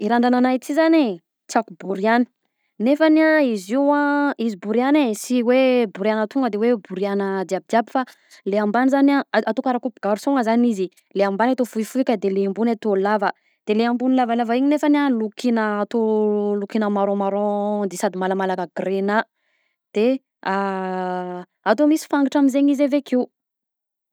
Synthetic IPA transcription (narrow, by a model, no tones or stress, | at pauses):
iɾaɳɖ͡ʐananat͡s̪izane | t͡sakubuɾiani̥ | nefanaiziwãizibuɾianesiwebuɾianət̪uŋɡəd̪ewebuɾianəd̪abid̪iabi̥fa | leambanizanaat̪okaɾakupuɡ̥aɾusoŋəzanizi | leambanat̪ofuifuikʲəd̪eleambunat̪olavə | d̪̥eleambunilavalavaiɲinefənalukinəːt̪olukinəmaɾõmaɾõd̪esad̪imalamalakəɡrenə | d̪̥e | a | at̪̬omisi̥faŋɡiʈ͡ʂamizeɲizevekiu